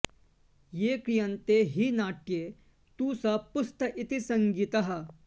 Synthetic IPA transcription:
jeːkɾijɐnt̪eɦiːnaːʈ̚keː | t̪uːsɐpust̪ɐʔit̪isɐŋɡit̪ɐɦɐ

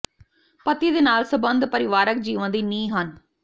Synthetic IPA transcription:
pət̪ːiːd̪eːnaːlsəbənd̪pəɾɪʋaːɾək̚d͡ʒiːʋãːd̪iːnĩːɦən

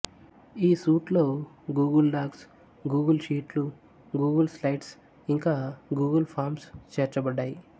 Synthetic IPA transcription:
iːsuːʈlo̞ː | ɡuːɡɐlɖaːɡs | ɡuːɡɐlʃiːʈlu | ɡuːɡɐlslajʈs | iŋkaːɡuːɡɐlpʰaːɾmst͡ʃeːɾt͡ʃɐbɐɖːaːji

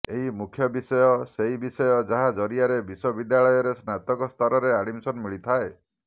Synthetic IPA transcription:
eɦimukʰjɔbisɔjɔseibisɔjɔd͡ʒaɦad͡ʒɔɾiaɾebiswɔbid̪jaɭɔjɔɾesnat̪ɔkɔst̪ʰɔɾɔɾeaɽimsɔnmiɭit̪ʰae

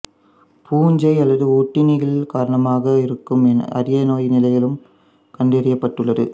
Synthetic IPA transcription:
pʰuːɲd͡ʒɐɪɐlːɐðɯuːʈːɪnɪɣɐlkaːɾɐɳɐmaːɣɐɪɾɯkːɯmɛnɐ̰ɾɪjɐnoːjnɪlɐjɪlɯm | kɐɳɖeɾɪjɐpːɐʈːɯɭːɐðɯ

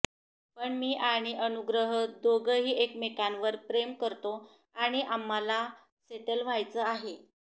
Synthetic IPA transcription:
pəɳmiːʔaɽ̃iʔənuɡɾəɦəd̪oɡəɦiːekmekanʋəɾpɾemkəɾt̪o | aɽ̃iʔamːala | seʈəlʋ̤ajt͡səːaɦe

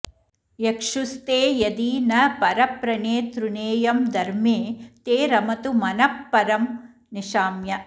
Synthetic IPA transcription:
jekʂust̪eːjɐd̪iːnɐpɐɾɐpɾɐneːt̪ɾuneːjɐmd̪ɐɾmeːt̪eːɾɐmɐt̪umɐnɐpːɐɾɐm | niʂaːmjɐ

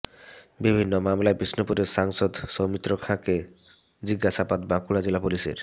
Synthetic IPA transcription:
bibʱinːomamlaebɾisnopuɾeɾʃaŋʃod̪somit̪ːɾokʰãke | d͡ʑiɡːaʃapad̪bãkuɽad͡ʑelapuliʃḛɾ

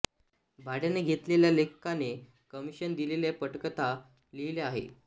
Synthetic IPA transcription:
bʱaɽjaneɡʱet̪leljalekəkane | kəmiɕənd̪ileljapəʈkət̪a | liileaɦḛ

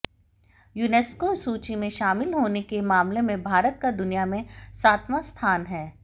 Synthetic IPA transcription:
jʊneːskosuːt͡ʃimẽʃaːmɪlɦoːnekemaːmlemẽbʱaːɾət̪̚kad̪ʊnijamẽsaːt̪ʰmast̪ʰaːnɦɛː

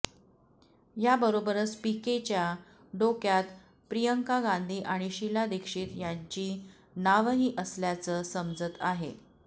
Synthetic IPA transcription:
jabəɾobəɾəspiket͡ɕja | ɖokjat̪ | pɾijəŋkaɡãnd̪ʱiːʔaɽ̃iɕilad̪ekʂiːt̪jaɲt͡ɕiː | naʋəɦiːʔəsljat͡səːsəmd͡zət̪aɦḛ

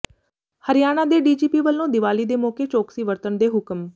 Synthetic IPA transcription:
həɾɪjaːñãːd̪eːɖiːd͡ʒiːpiːʋəlːõːd̪ɪʋaːliːd̪eːmoːkeːt͡ʃoːksiːʋəɾt̪ənd̪eːɦʊkm

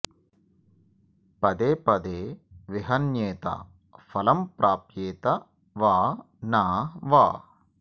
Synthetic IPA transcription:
pɐd̪eːpɐd̪eːʋiɦɐnjeːt̪ɐ̰ | fɐlɐmpɾaːpjeːt̪ɐ | ʋaː | naːʋaː

